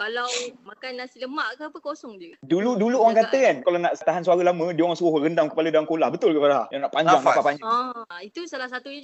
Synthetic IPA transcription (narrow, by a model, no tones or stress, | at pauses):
kalawmakanːasiləmaʔkəpəkosɔŋd͡ʒuduluduluoɾaŋkat̪əkankalawnaʔt̪aɦansuaɾalamə̃dioɾaŋsuʊhbəɾəndaŋkə̥paladaaŋkolahbət̪ʊlkəpadala̰jaŋnaʔpaɲd͡ʒaŋbapapaɲd͡ʒait̪usalahsat̪uɲa